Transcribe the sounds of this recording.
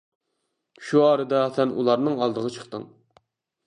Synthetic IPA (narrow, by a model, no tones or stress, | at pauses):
ʃuɑːɾɨd̪ɑsɛnṵlˠɑɾnɨŋɑlˠd̪əʁɑt͡ʃʰə̥χt̪ɨ̰ŋ